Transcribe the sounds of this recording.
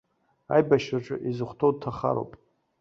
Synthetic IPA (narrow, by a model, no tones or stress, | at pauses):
a̰jbaʃraʈ͡ʂʼɨ̰ʔizɨχʷtʰowd̚tʰaχa̰ɾo̰wpʼ